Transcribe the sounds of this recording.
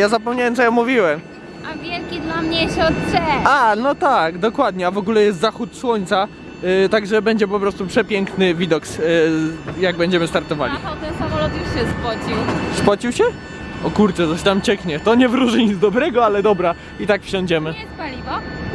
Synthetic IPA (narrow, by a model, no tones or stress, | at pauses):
jazapɔmɲawɛmt̪sɔjɔmːuvʲiwɛm | avʲjɛlkʲid̪lamɲɛɕɛɔt̪t͡ʂɛanɔt̪aɡd̪ɔkwad̪ɲɛavɔɡulɛjɛst̪zaxut̪swɔɲʲt̪sa | t̪aɡʐɛbɛɲd͡ʑɛp̬ɔpɾɔst̪upʂɛpʲjɛŋknɘvʲid̪ɔks | jaɡ̚bɛɲd͡ʑɛmɘst̪aɾt̪ɔva̰lʲiɔt̪ɛsamɔlɔt̪juɕɛspɔt͡ɕiwspɔt͡ɕiwɕɛ | ɔkuɾt͡ʂɛt̪ɔɕt̪amt͡ɕɛkɲɛt̪ɔɲɛvɾuʐɘɲid̪zd̪ɔbɾɛɡɔalɛd̪ɔbɾa | it̪akfɕɔ̃ɲd͡ʑɛmɘɛspalʲivɔ